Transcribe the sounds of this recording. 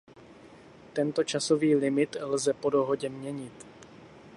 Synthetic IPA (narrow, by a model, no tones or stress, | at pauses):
t̪ɛnt̪o̞t͡ʃaso̞viːlɪmɪt̪lzɛpo̞do̞ɦo̞ɟɛmɲɛɲɪt̪